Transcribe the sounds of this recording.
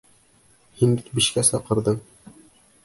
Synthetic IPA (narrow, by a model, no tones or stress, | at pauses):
hinbikbiɕkæsɑqɤ̆ɾd̪ɤɴ